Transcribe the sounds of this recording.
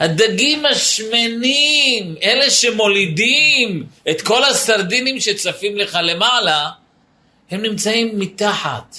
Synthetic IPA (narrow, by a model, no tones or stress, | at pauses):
had̪aɡimhaʃmenime̞le̞ʃe̞mo̞lidimet̪ko̞lasaɾd̪inimʃe̞t͡safimle̞χale̞mala | he̞mnimt͡saimːit̪aħa̰t̪